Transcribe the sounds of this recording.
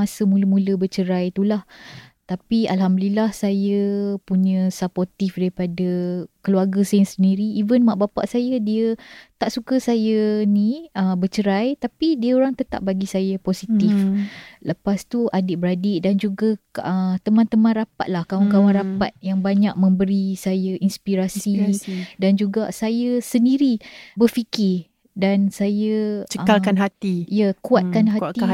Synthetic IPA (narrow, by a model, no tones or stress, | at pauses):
asəmũləmũləbət͡ʃəɾajt̪ulaht̪apialɦamdəlilahsajəpuɲə̃saport̪ifdaɾipadakəluarɡəsajəŋsəndiɾiːvənmaʔbapa̰ʔsajədiət̪aʔsukəsajənĩəbət͡ʃəɾajt̪apidiəoɾaŋt̪ət̪a̰p̚baɡisajaposit̪ifləpast̪uʔadɪʔbəɾadɪdand͡ʒuɡaət̪əmãnt̪əmãnrapa̰t̪̚lahkawankawanɾapat̪̚jaŋbaɲak̚mə̃mbəɾisajaʔinspiɾasidand͡ʒuɡasajəsəndiɾibərfikɪ | dansajət͡ʃəkalkanɦat̪ijəkuat̪̚kanɦat̪i